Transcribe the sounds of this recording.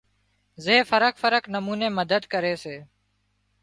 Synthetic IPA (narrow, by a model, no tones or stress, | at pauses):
zeːfəɾəkfəɾəknəmuːneːməd̪əd̪kəɾeːseː